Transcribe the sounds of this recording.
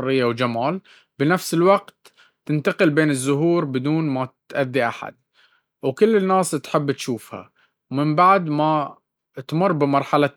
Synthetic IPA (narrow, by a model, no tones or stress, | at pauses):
rːɪjːawd͡ʒamaːl | bɪnafsɪlwaɡt̪ː | ɪnt̪aqɪlbeːnɪzːʊɦuːɾbɪd̪uːnmat̪ʔaðːiʔaħa̰d̪̚ | wkʊlːɪnːaːst̪ħɪbːt̪ʃuːfha̰ | wmɪmbaʕd̪ma | t̪mʊrːbɪmɑɾˤħala